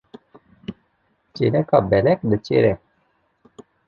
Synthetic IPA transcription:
t͡ɕelɛkɑbɛlɛk̚d̪ət͡ɕḛɾɛk̚

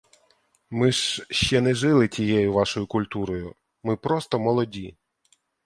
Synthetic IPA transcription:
mɪʃʃt͡ʃɛnɛʒɪlˠɪtʲijɛjʊʋɑʃɔjʊkʊlʲt̪uɾɔjʊ | mɪpɾɔst̪ɔmɔlˠɔdʲi

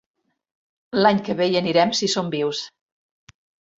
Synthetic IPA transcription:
laɲkəβejəniɾɛmsisombiws

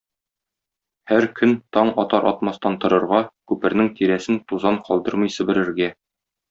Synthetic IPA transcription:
hæɾkʰɵnt̪ɒɴɒt̪ɑɾʔɒ̰t̪mɑst̪ɑnt̪ŏɾɤ̆ɾʁɑkʉpɘ̆ɾnɘŋt̪iɾæsɘnt̪uzɑɴqɒlˠd̪ɤɾmɤjsɘ̆bɘ̆ɾɘ̆ɾɡæ

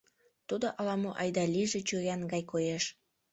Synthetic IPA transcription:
t̪ud̪oʔɑlɑmoʔɑjd̪ɑliʒĕt͡ɕøjʲɑnɡɑjkojeʃ

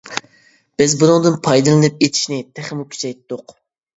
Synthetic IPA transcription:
b̥ɪzbunɨŋd̪ɨnpʰɑjd̪ɨlˠɨnɨp̚et̪ʰi̥ʃnɪt̪ʰæχɪmukʲʰy̥t͡ʃʰɛjt̪d̪ʊq

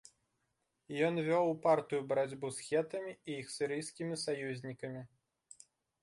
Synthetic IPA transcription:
jɔnvʲɔwpart̪ɨjubɐɾad͡zʲbusxʲɛt̪ɐmʲiijixsʲɨɾɨjskʲimʲisajuzʲnʲikɐmʲi

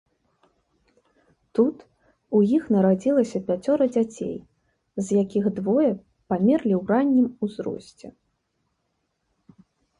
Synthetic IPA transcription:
t̪ut̪ | ujixnɐɾad͡zʲilˠɐsʲɐpʲat͡sʲɔɾɐd͡zʲat͡sʲḛj | zjakʲiɣd̪vɔjɛ | pamʲɛrlʲiwranʲːimuzɾɔ̰sʲt͡sʲɛ̰

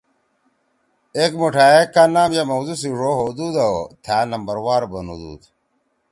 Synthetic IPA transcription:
ekmuʈʰaekanaːmjamɐwzusiʐoɦod̪uːd̪awt̪ʰaːnɐmbɐɾwaːɾbɐnṵd̪ṵːd̪

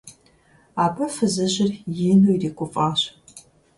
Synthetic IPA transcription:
aːbʰɐfɨzɨʑɪrjɪnuiriːkʷʼʊfʼaːɕ

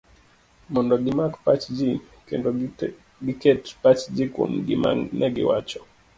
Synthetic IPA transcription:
mɔndɔɡimakpat͡ʃd͡ʒi | kɛ̰ndɔ | ɡikɛtpat͡ʃd͡ʒikṵm̩ɡḭma̰nʔɛɡḭwat͡ʃɔ

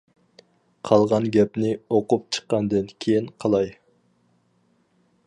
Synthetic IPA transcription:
qʰɑlˠʁɑnɡʲɛpnɪoqup̚t͡ʃʰə̥qːɑnd̪ɨnkʲʰejinqʰɑlˠɑj

